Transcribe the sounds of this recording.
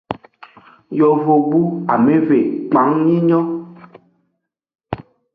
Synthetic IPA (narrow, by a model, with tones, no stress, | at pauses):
jɔ˨vo˨bu˦a˨mẽ˦ve˨k͡pa˨˦ŋɲĩ˦ɲɔ̃˦